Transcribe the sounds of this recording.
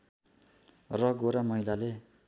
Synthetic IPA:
rʌɡoɾamʌɦilale

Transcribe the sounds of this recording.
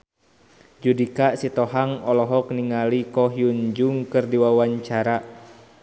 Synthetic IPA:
d͡ʒudikaʔsit̪ɔɦaŋɔlɔɦɔk̚niŋalikɔɦjuɲd͡ʒuŋkɨrdiwawaɲt͡ʃaɾa

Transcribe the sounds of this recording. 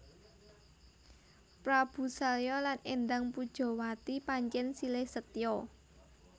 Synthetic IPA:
pɾab̥ṳsaljɔlanend̪aŋpud̥ʒ̥ɔ̤wat̪ipaɲt͡ʃɛnsilɪhsət̪jɔ

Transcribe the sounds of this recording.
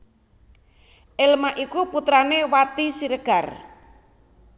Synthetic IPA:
ʔɪlmaʔikuput̪ɾanewat̪isiɾəɡ̥ar

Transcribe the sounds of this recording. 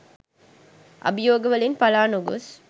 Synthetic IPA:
ʔɐ̰bijoːɡɐʋɐlinpɐlaːnuɡos

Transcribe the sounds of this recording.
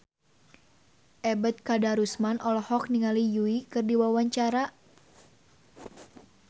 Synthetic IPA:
ʔɛbɛt̪̚kadaɾusmanʔɔlɔhɔk̚niŋalijuikɨrdiwawaɲt͡ʃaɾa

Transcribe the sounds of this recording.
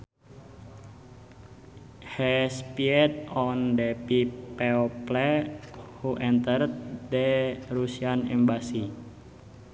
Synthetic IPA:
hɛspiɛt̪ɔndepipɛɔplɛ | huʔɛnt̪ərd̪dərusianɛmbasi

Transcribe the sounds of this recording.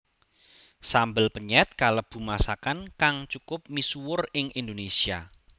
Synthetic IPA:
sambəlpəɲɛt̪̚kaləb̥ṳmasakankaŋt͡ʃukʊp̚misuwʊrɪŋind̪onesia

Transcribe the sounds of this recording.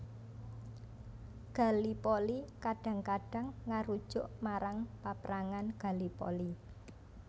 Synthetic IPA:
ɡ̥a̤lipolikaɖ̥ä̤ŋkaɖ̥ä̤ŋːaɾud̥ʒ̥ʊʔmaɾaŋpapɾaŋanɡ̥a̤lipɔ̰li

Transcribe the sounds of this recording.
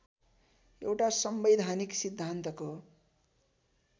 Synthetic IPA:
ewʈasʌmbed̪ʱaniksid̪ʱːant̪ʌko

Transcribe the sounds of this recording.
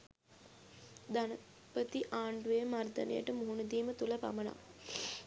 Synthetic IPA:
d̪anə | pət̪iʔaːɳɖuʋeəmard̪ə̰nḛjə̰ʈəmuɦunəd̪iːmət̪uləpa̰məna̰

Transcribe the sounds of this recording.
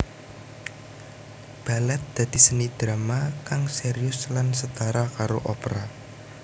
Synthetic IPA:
b̥a̤lɛt̪̚d̪̥ä̤d̪̥i̤sənid̪̥ɾamakaŋseɾijʊslansət̪aɾakaɾoʔɔpəɾa

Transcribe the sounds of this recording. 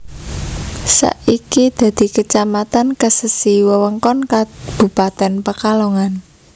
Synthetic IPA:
sa̰ʔikid̪̥ä̤d̪̥i̤kət͡ʃamat̪ankəsəsiwəwəŋkɔnkab̥ṳpat̪ɛnpəkaloŋan

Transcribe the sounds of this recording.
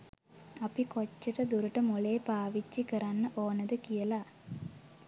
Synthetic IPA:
ɐpikot͡ʃːɐʈəd̪uɾuʈəmuleːpaːʋit͡ʃːikəɾanːəʔoːnɐd̪əkijəla

